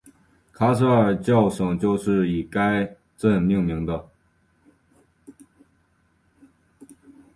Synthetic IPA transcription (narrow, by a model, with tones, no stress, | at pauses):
kʰa˥s̬ʰɤ˥ə˞˥˨˩t͡ɕjɑ˥˩ʊʂɤ˨˩ŋt͡ɕjo˥˧ʊʂɻ̩˥˩i˨˩ka˥ɪ | ʈ͡ʂə˥˧nni˥˩ŋmi˧˥ŋd̪ə˧